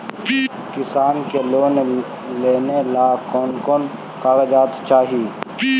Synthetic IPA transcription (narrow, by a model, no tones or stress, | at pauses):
kɪsaːnkeloːn | leːnelakɔːnkoːn | kaːɡed͡ʒaːt̪t͡ʃaːɦii